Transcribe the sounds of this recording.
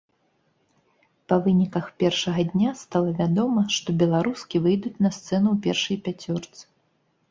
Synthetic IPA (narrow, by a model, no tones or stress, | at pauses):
pɐvɨnʲikɐxpʲɛrʂɐɣɐd̪ʲnʲast̪alˠɐvʲad̪ɔmɐʂt̪ɔbʲɛlˠaɾuskʲivɨjd̪ut͡sʲnɐst̪sɛnuwpʲɛrʂɐjpʲat͡sʲɔrt̪sɨ̥